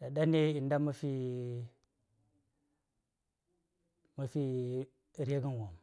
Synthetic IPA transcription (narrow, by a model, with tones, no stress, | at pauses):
da˨da˦ne˦i˨nda˦ma˦fi˦ | ma˦fi˦ | ɾe˦ɡi˦n˨wo˨m